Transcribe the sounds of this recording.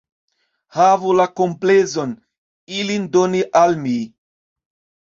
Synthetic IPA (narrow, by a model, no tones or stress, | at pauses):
havulakomplezo̞n | ilindoniʔalmi